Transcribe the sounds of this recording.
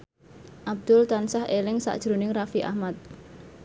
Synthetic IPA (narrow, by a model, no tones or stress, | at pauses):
ʔab̚d̪̥ʊlt̪ansahelɪŋsa̰ʔd̥ʒ̥ɾunɪŋrafiʔa̰hmat̪̚